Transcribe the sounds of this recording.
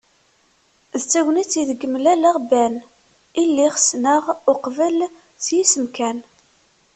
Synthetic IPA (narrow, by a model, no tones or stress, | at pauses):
ðt͡sːæwnit͡sːiðəɡːəmlælæʁbæn | ilːiχsnəʁʊqvəl | θjisəmkæn